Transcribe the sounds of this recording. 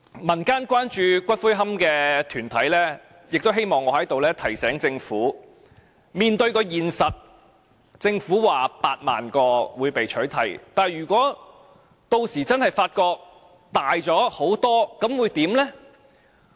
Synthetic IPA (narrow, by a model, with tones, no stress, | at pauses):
mɐ˨˩nkaː˥nkʷaː˥nt͡ʃyː˧kʷɐ˥t̚fu˥jɦɐ˥mkɛː˧t̪ʰyː˨˩nt̪ʰɐ˨˥jlɛː˥ | jɪ˨k̚t̪o˥wɦe˥jmɔː˨ŋːɔː˨˧hɐ˨˥jt̪o˨wlɛː˥t̪ʰɐ˨˩jsɛː˨˥ŋt͡sɪ˧ŋfuː˨˥ | miː˨nt̪ɵ˧ɥkɔː˧jiː˨nsɐ˨t̚ | t͡sɪ˧ŋfuː˨˥waː˨paː˧t̚ma̰ː˨nkɔː˧wuː˨˧jpe˨jt͡ʃʰɵ˨˥ɥt̪ʰɐ̰˨˩jt̪aː˨˩njyː˨˩kʷɔː˨˥ | t̪o˧wsiː˨˩t͡sɐ˥nhɐ˨jfaː˧t̚kɔː˧k̚ | t̪aː˨jt͡sɔː˨˥ho˨˥wt̪ɔː˥kɐ˨˥mwuː˨˧jt̪iː˨˥mlɛː˥